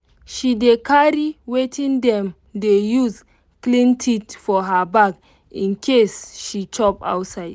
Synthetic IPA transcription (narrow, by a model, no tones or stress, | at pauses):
ʃidekʰaɾiwetʰĩnd̪ɛ̃m | dejuz | klĩntʰitfɔɦabak | ĩnkʰesʃit͡ʃɔpa̰wtsaɪd